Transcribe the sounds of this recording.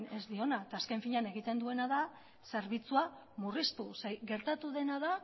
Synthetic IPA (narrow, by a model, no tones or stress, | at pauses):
ne̞zd̪io̞naet̪aːske̞ɱfiɲane̞ɣ̞it̪e̞nd̪ue̞naða | se̞ɾβit͡sua | murist̪useɡe̞ɾt̪at̪uð̞e̞naða